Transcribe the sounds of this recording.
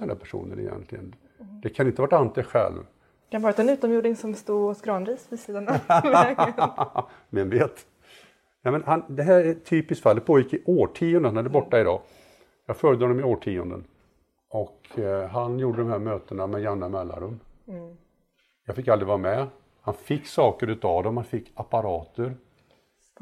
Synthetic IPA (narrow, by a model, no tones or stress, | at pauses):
ɛnd̪æ̰ɾpʰæʂṵːnə̰nɪ̰jɛ̰nt̪lɪɡə̰n | d̪ɛkʰanɪnt̪əʋaʈanːat̪ɛɧɛ̰lv̥ | kʰanvɑːɾat̪ʰːɔɛnʉːt̪ɔmjuːɖnɪŋsɔmst̪uːɔsɡɾɑːnɾiːsvɪsiːd̪ana | mɛnveːt̪ | jɑːmɛnhand̪ɛɦæːɾæt̪ʰyːpɪskt̪falːɛt̪̚pʰoːjɪkːɪʔoːʈʰiːʊɔnd̪əhanhad̪əbɔʈːaɪd̪ɑ̰ː | jɑːɡfœɾjd̪əɔnɔmɪoːʈʰiːʊ̰nd̪ə̰n | ʔɔkɦanjuːɖəd̪ɔmɦæɾmøːt̪ənamɛjanːamɛlːa̰nɾɵm | jɑːɡfɪkːald̪ɾɪvɑːɾamɛ | hanfɪkːsɑːkəɾʉ̟ːt̪avd̪ɔmhanfɪkːapaɾɑːt̪əɾ